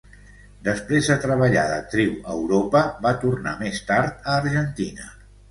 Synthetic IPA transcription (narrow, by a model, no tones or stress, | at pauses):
d̪əspɾezðət̪ɾəβəʎa̰ðə̰t̪ɾiwəwɾopəβat̪urna̰mest̪aɾt̪əːɾʒənt̪inə